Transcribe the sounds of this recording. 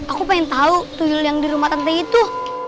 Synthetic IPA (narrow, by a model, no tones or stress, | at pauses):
akupaɪnt̪aut̪ujʊljaŋdiɾumat̪ant̪ait̪u